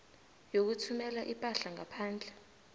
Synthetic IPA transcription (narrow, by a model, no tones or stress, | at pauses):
jok̬utʰumɛlaʔipʼaɬaŋapʰaːnd͡ɮʱɛ